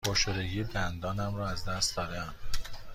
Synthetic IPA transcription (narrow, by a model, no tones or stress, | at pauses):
boʃoɾeɡiebænd̪ɒːnæmɾɒːæzd̪æst̪̚d̪ɒːɾæmn